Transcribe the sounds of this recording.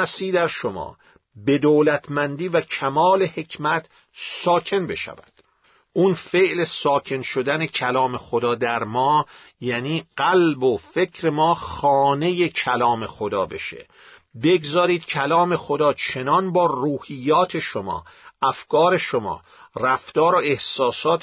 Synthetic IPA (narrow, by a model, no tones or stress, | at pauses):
æsiːd̪æɾʃomɒ̰ː | be̞d̪oːlæt̪ʰmænd̪iːvæcʰæmɒːle̞he̞cʰmæt̪ʰ | sɒːcʰe̞nbe̞̰ʃæ̰væ̰d̪̥ | unfeʔlesɒːcʰe̞nʃod̪æne̞cʰælɒːme̞xod̪ɒːd̪æɾmɒː | jæːniːɢ̥ælbofe̞cʰɾe̞mɒːxɒːne̞jecʰælɒːme̞xod̪ɒ̰ːbe̞̰ʃḛ | be̞ɡzɒːɾiːd̪̥̚cʰælɒːme̞xod̪ɒːt͡ʃʰe̞nɒnbɒːruːhijːɒːt̪ʰe̞ʃomɒ̰ːæfkʰɒːɾe̞ʃomɒ̰ː | ræft̪ɒːɾoe̞hsɒːsɒːt̪